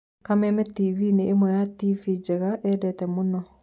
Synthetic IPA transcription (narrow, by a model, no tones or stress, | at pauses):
kamɛmɛtivineʔːmwɛjativid͡ʒɛɣaʔɛdɛtɛmonɔ